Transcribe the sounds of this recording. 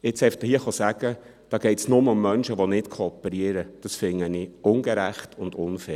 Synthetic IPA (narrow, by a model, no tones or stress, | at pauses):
ɪt͡sɛɪft̪əhiəχosæɡ̥ə | d̥ɑːɡ̥ɛɪtsnʊməʊmːœnʃəʋonɪtkʰoːpːɛɾiəɾəd̥ɑsfɪŋːəniʊnɡɛɾæχtʰʊndʊnfɛː